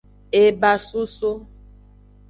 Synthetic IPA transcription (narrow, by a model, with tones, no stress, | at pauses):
e˨ba˨su˦so˦